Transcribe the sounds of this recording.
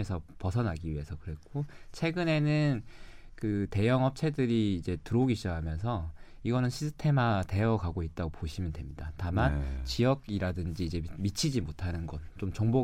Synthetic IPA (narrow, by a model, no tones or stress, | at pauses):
esʰʌpʌsʰʌnaɡiɥiɦe̞sʰʌkɯɾe̞k͈ʰot͡ɕʰwe̞ɡɯne̞nɯnkɯte̞jʌŋɦʌp̚t͡ɕʰe̞dɯɾiːd͡ʑe̞tɯɾoɡiɕ͈ʌɦamjʌnsʰʌ | iɡʌnɯnɕʰisʰɯtʰe̞mate̞ʌɡaɡoit̚t͈aɡopoɕʰimjʌntwe̞mɲidatamant͡ɕijʌɡiɾadɯnd͡ʑiːd͡ʑe̞mit͡ɕʰid͡ʑimotʰanɯnɡʌnt͡ɕomt͡ɕʌŋbo